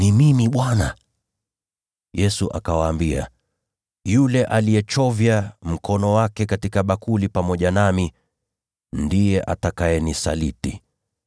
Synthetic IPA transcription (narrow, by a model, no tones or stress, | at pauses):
nimimiɓwana | jɛsuʔa̰kawaːmbia̰ | julɛʔalijɛt͡ʃɔvjam̩kɔnɔwakɛkatikaɓakulipamɔʄanami | ndijɛʔatakaɛnisa̰litḭ